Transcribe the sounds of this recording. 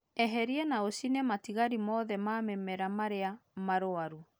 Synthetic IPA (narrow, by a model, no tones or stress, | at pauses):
ɛɦɛɾiɛnaosinɛmatiɣaɾimɔːðɛmamɛmɛɾamaɾeamaɾoaɾu